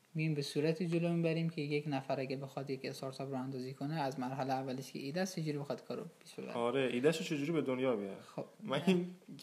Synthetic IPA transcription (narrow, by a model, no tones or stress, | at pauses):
mijimbesuːɾæt̪ʰiːd͡ʒolomibæɾiːmkʲʰejekʲnæfæɾæɡʲæbexɒd̪jekʰest̪ɒɾt̪ʰɒpɾɒːhænd̪ɒːziːkʰoneæzmæɾɦæleævːæleʃkʰʲḛʔiːd̪æst͡ʃʰed͡ʒuːɾibexɒd̪̥kʰɒːɾob̥eseb̰ɒɾeʔiːd̪æʃot͡ʃʰed͡ʒuːɾibed̪onjɒːbej̰xob̥mæin